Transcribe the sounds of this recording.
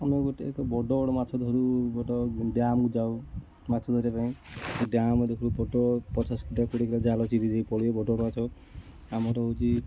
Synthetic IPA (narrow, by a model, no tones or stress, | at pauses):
ameɡoʈiekɔbɔɖɔbɔɽɔmat͡ʃʰɔd̪ʱɔɾuɡɔʈɔɖjamkud͡ʒaw | mat͡ʃʰɔd̪ʱɔɾijapaĩeɖamɔd̪ekʰuɾupɔʈɔpɔt͡ʃaskiʈakuɽikɾad͡ʒalɔt͡ʃiɾid͡ʒejpɔɽiebɔɖɔbɔɽɔmat͡ʃʰɔ | amɔɾɔɦowt͡ʃʰi